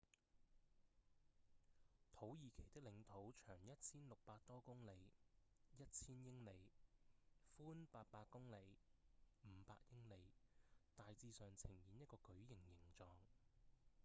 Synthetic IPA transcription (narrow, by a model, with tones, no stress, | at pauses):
t̪ʰo˨˥wjiː˨kʰe˨˩jt̪ɪ˥k̚lɪ˨˧ŋt̪ʰo˨˥wt͡ʃʰœː˨˩ŋjɐ˥t̚t͡sʰiː˥nlʊ˨k̚paː˧t̚t̪ɔː˥kʊ˥ŋle˨˧jjɐ˥t̚t͡sʰiː˥njɪ˥ŋle˨˧j | fuː˥npaː˧t̚paː˧kʊ˥ŋle˨˧j | m̩ː˨˧pa̰ː˧k̚jɪ˥ŋle˨˧jt̪aː˨jt͡siː˧sœː˨ŋt͡sʰɪ˨˩ŋjiː˨˧njɐ˥t̚kɔː˧kɵ˨˥ɥjɪ˨˩ŋjɪ˨˩ŋt͡sɔː˨˧ŋ